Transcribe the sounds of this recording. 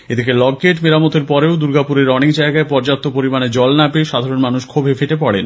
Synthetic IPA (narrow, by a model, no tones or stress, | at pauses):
ed̪ikelɔɡːeʈmeɾamot̪eɾpɔɾeod̪uɾɡapuɾeɾɔnikd͡ʑaeɡaepɔɾd͡ʑap̚t̪ʰːopoɾimaned͡ʑɔlnapeʃad̪ʱaɾonmanuʃkʰobʱefeʈepɔɽen